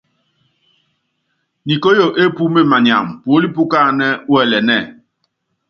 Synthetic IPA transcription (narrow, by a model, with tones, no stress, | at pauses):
ni˨ko˦jo˨ʔe˦pu˦me˦ma˨ɲa̰˨m˨po˦li˦pu˦ka˦˨nɛ˦wɛ˦˨lɛ˨nɛ˦˨